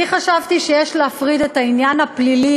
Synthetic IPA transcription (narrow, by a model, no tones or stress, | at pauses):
iχaʃavtiʃejeʃleafʁidetainjanhaplili